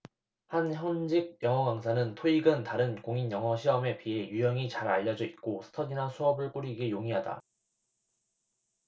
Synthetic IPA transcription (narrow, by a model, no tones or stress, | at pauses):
hançjʌnd͡ʑik̚jʌŋɦʌɡaŋsʰanɯntʰoiɡɯntaɾɯnkoŋinjʌŋɦʌɕʰiʌme̞pie̞jujʌŋit͡ɕaɾaʎːʌd͡ʑʌit̚k͈osʰɯ̥tʰʌɡinasʰuʌbɯɭk͈uɾiɡejoŋiɦada̰